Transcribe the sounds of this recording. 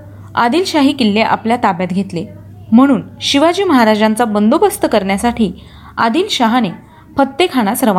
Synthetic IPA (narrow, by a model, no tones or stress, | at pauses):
a̰d̪iːlɕaɦiːkilːeʔa̰pljat̪abjat̪ɡʱet̪le | m̤əɽ̃uːnɕiʋad͡ʑiːməɦaɾad͡ʑant͡sabənd̪obəst̪əkəɾɳjasaʈʰiː | a̰d̪iːlɕaɦane | pət̪ːekʰaɽ̃asɾəʋa